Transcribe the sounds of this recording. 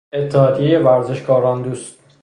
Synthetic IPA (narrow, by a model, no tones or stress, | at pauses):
e̞t̪ʰːɛhɒːd̪ijejevæɾzeʃkɒːɾɒːnd̪uːst̪̚